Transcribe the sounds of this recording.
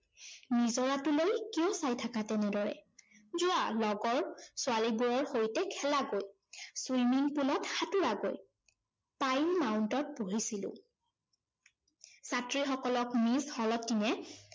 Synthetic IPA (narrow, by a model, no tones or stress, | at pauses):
nizɔɹatulojkijɔsajtʰakatɛnɛdɔɹɛ̰ | zʊalɔɡɔɹsʊalibuɹɔɹxojtɛkʰɛlaɡoj | swimiŋpulɔtxatuɹaɡoj | pajnmawʊntɔt̚boɦisilʊ̰̃ | satɹixɔkɔlɔkmishɔlɔtːinɛ